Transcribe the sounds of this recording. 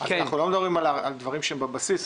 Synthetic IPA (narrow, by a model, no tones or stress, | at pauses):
aknaχnulomed̪abʁimalaald̪vaʁimʃeembabasis